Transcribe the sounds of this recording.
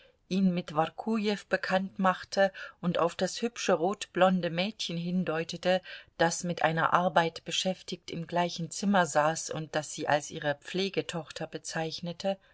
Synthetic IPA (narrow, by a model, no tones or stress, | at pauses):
ʔiːnmɪtv̥aʁkʰujɛfb̥əkʰantmaχtʰəʔʊntʔaʊfd̥ashʏpʃəʁoːtb̥lɔndəmɛːtçən̩ɦɪndɔʏtətəd̥asmɪtʔa̰ɪnɐ̰ʔaɐbaɪtb̥əʃɛftɪçtɪmɡlaɪçn̩t͡sɪmɐzaːsʊ̰nt̚d̥asz̥iːʔalsʔiːʁ̞əp͡fleːɡətʰɔχtʰɐbət͡saɪçnətʰə